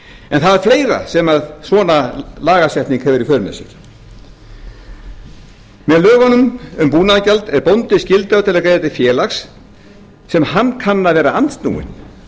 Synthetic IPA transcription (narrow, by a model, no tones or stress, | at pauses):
ɛnθaðɛɾ̥fleːjɾa̰sɛmaðsvɔːnalaːɣasjɛht̪niŋkhɛvɪɾifœːɾʏmɛ̰sɪ̰ɾ̥ | mɛðlœːɣanːʏmʏmpuːnaðacalt̪ɛɾpɔwnt̪ɪscɪlt̪aʏt̪ʰɪlɛakɾejðat̪ɪfjɛːlaxsː | ɛmhanːkʰanːavɛːɾaant̪st̪nṵːɪ̰n